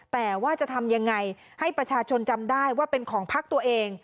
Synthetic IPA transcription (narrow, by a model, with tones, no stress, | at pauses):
t̪ɛː˨˩waː˥˩t͡ɕa˨˩t̪ʰa˧mja˧ŋːa˧j | ha˥˩jpɾa˧t͡ɕʰaː˧t͡ɕʰo˧nt͡ɕa˧mdaː˥˩jwaː˥˩pe˧nkʰɔː˩˦ŋpʰa˦˥k̚t̪u˧ɐəʔeː˧ŋ